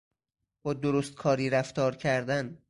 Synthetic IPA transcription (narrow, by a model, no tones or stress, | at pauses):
b̥ɒːd̪oɾost̪̚kʰɒːɾiːɾæft̪ɒːɾcʰæɾd̪æn